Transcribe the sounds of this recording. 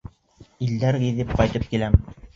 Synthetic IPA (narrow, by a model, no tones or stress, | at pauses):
ild̪æɾɡiðɘp̚qɑjt̪ɤp̚kilæm